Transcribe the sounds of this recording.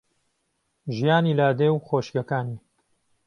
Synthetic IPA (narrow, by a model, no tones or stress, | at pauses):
ʒijaːniːlaːd̪ewxoːʃɡɐkaːni